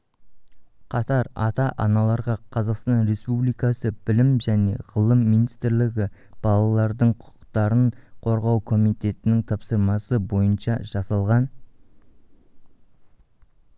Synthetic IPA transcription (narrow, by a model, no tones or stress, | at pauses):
qʰɑt̪ɑɾɑt̪ɑʔɑnɑlˠɑɾʁɑqʰɑzɑqst̪ɑnɾe̞spublijkɑsəb̥ɪlɪmʒæne̞̰ʁəlˠəmːijnijst̪ɾlɪɡʲɪb̥ɑlˠɑlˠɑɾd̪əɴqʰʊ̥qə̥qt̪ɑɾəɴqʰo̞ɾʁɑwkʰo̞mijt̪e̞t̪ɪnɪŋt̪ʰɑpsəɾmɑsəbo̞jənʃɑʒɑsɑlˠʁɑn